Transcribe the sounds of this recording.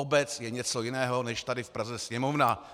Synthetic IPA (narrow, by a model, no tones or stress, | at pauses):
obɛt͡sjɛɲɛt͡sojɪnɛːɦonɛʃt̪adɪfpɾazɛsɲɛmovna